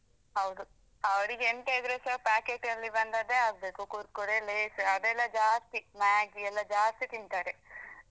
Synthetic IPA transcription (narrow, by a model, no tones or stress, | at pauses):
ɦɐwd̪u | ɐʋɐɾiɡeɳʈeːd̪ɾesɐpaːkeːʈɐlːibɐnd̪ad̪eaːɡ̚be̞ːkukuɾt̪̚koɽeleːsɐd̪ɛlːɐd͡ʒaːst̪imaːɡiɛlːɐd͡ʒaːst̪it̪int̪aːɾe